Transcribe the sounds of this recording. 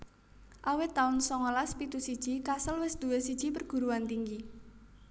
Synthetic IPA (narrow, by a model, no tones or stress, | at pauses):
ʔawɪt̪ːaʊnsɔŋɔlaspit̪usid̥ʒ̥ikasəlwɪsd̪̥uwesid̥ʒ̥ipərɡ̥ṳɾuant̪iŋɡi